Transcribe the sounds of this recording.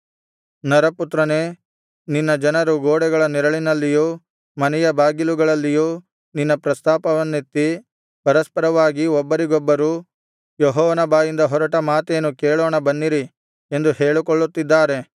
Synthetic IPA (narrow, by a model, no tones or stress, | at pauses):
nɐɾɐput̪ɾɐne̞ː | ninːɐd͡ʒɐnɐɾuɡoːɽɛɡɐɭɐniɾɐɭinɐlːijuː | mɐnɛjɐbʱaːɡiluɡɐɭɐlːijuː | ninːɐpɾɐst̪aːpɐʋɐnːit̪ːi | pɐɾɐspɐɾɐʋaːɡiɔbːɐɾiɡɔbːɐɾu | jɔɦɔːʋɐnɐbaːjind̪ɐɦɔɾɐʈɐmaːt̪eːnːukeːɭoːɳɐbɐnːiɾi | end̪uheːɭukɔɭːut̪ːid̪ːaːɾe̞